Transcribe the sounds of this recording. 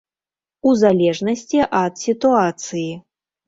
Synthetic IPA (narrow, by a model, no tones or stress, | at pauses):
uzalʲɛʐnɐsʲt͡sʲiʔɐt̪sʲit̪uat̪sɨji